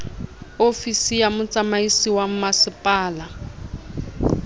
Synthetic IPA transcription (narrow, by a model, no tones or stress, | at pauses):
ofisijamʊt͡sʼamaisiwam̩masɪpʼaːla